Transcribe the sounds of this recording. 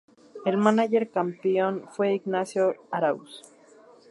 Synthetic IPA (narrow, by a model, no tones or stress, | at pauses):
elmanaʝeɾkampejonfweiɡnasjoaɾaus